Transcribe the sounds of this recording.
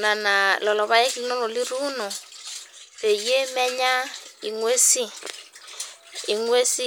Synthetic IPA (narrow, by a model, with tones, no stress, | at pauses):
na˨na˨lɔ˨lɔ˨βa˦je˦ki˦i˦nɔ˦lɔ˨li˦ɾu˦nɔ˨ | βe˨je˦mɛ˦ɲa˦i˨ŋwe˦si˦ | i˨ŋwe˦si˦